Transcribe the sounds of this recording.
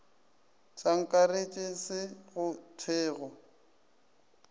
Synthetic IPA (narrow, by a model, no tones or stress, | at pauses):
t͡sʼaŋ̩kʼaret͡ʃʼɪsɪɣʊtʰɛːɣɔ